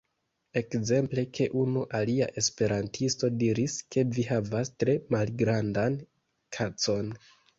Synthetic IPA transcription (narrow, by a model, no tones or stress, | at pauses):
e̞kze̞mple̞kʰe̞ʔunuʔalia̰ʔe̞spe̞ɾantʰisto̞diɾiske̞vihavastɾe̞malɡɾandan | kʰat͡so̞n